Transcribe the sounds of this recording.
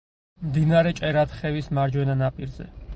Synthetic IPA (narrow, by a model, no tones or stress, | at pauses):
md̪inaɾɛt͡ʃʼɛɾat̪χɛvismaɾd͡ʒwɛnanapʼiɾzɛ̰